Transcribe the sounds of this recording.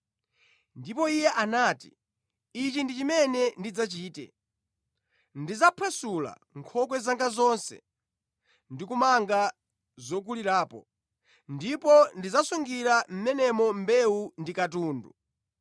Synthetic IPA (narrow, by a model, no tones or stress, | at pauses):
ndipɔijɛʔanaːtḭ | it͡ʃindit͡ʃimɛnɛndid͡zat͡ʃiːtɛ̰ | ndizapʰwɛsula̰ | ŋkʰɔkwɛzaŋɡazɔnsɛ̰ | ndikumaŋɡa | zɔk̬uliɾaːpɔ | ndipɔndizasuŋɡiɾam̩mɛnɛmɔmbɛundikatuːndṵ